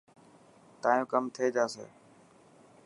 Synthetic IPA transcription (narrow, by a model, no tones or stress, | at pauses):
t̪aːjõːkəmt̪ʰieːd͡ʒaːsḛː